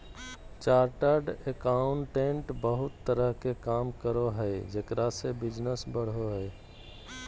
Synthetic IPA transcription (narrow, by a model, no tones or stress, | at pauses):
t͡ʃaːɾʈəɾɖekaʊɳʈẽɳʈbəɦʊt̪ːəɾəɦkekaːmkəɾoɦɛed͡ʒekɾasebɪd͡ʒnəsbəɽ̤oɦɛː